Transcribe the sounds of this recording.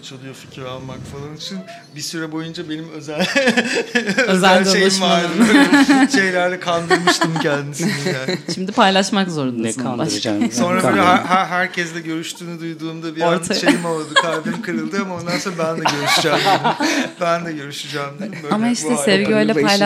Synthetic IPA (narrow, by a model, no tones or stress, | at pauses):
t͡ʃʰolˠujofi̥cʰiɾalˠmakfalˠanit͡ʃʰin | bisyɾɛbo̞jund͡ʒabe̞nimøzælʲ | øzælʲd̪oʃej̪ʃmaaɾ | ʃe̞jlʲæɾlʲɛkʰalˠd̪ɾmʃt̪ʰɯmcʰɛnd̪inisiiaʃimd̪ipʰajlˠaʃmakzo̞ɾund̪akʰaaʃso̞nɾabølʲɛɦæɦæɾcʰɛsd̪ɛɟø̞ɾyʃt̪ʰyːnyd̪ujd̪uːmd̪abiɾt̪ʰaʃejimolˠd̪ɯkʰaɾd̪ɯmkʰɯɾɯlˠd̪ɯamao̞nd̪anso̞nabænd̪ɛɟøɾyʃyd͡ʒɛmdimbænd̪ɛɟø̞ɾyʃyd͡ʒɛːmd̪ɯ | amaiʃt̪ɛsɛvɡiø̞jlʲɛpajlˠa